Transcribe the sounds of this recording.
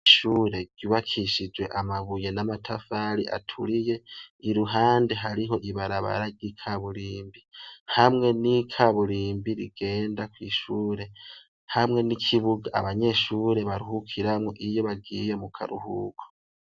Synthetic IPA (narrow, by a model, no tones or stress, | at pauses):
ʃuːɾe̞ɟ̥uːβakʰiʃid͡ʒwe̞ʔamaβuje̞namatʰafaɾḭʔa̰tʰuɾije̞iɾuɦaːnde̞ɦaɾiɦo̞ʔiβaɾaβa̰ɾaɾɟikʰaβuɾiːmbihamŋe̞nikʰaβuɾiːmbiɾiɡ̥e̞ːndakwiːʃuːɾe̞ | hamŋe̞nikʰiβuɡaʔa̰βaɲe̞ʃuːɾe̞βaɾuhukʰiɾamŋoʔijo̞βaɡijemukʰa̰ɾṵhṵːɡ̥o̥